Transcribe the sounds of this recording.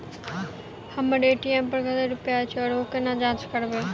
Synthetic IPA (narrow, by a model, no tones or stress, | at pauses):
həməɖeːʈiempəɾɡəd̪eɾʊpjaːt͡ʃʰiɔːɾoːkenad͡ʒãːt͡ʃkəɾbeː